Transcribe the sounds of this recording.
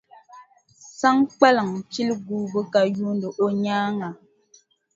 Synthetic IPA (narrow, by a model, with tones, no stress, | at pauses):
sa˦ŋk͡pa˦lə˨ŋt͡ʃi˦lɡu˦bə˦ka˨ju˦ndə˨ʔo˦ɲaː˦ŋa˨